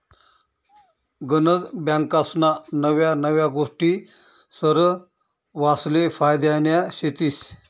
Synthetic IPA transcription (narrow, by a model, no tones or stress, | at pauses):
ɡənəd͡zbjãŋkasnanəʋjanəʋjaɡoʂʈiː | səɾə | ʋaslefajd̪janjaɕet̪iːs